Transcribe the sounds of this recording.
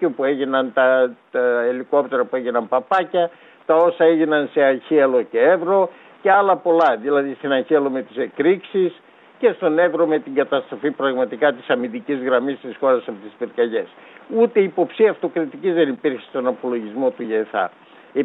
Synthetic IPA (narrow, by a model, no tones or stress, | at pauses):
opueʝinɐnt̪ɐ | eliko̞p̚t̪e̞ɾɐpue̞ʝinɐmpɐpɐcɐ | t̪ɐo̞sɐeʝinɐnse̞ɐçiɐlo̞ce̞evɾo̞ | ceɐlɐpo̞lɐðilɐðist̪inɐçiɐlo̞me̞t̪i̥se̞kɾiksis | ce̞st̪o̞ne̞vɾo̞me̞t̪iŋɡɐt̪ɐst̪ɾo̞fipɾɐɣmɐt̪ikɐt̪i̥sɐmind̪icizɣɾɐmist̪isxo̞ɾɐsɐpot̪ispiɾkɐʝe̞sut̪e̞iːpo̞psiɐft̪o̞kɾit̪icizðe̞nipiɾçe̥st̪o̞nɐpo̞lo̞ʝizmo̞t̪uʝeθɐ̰ | e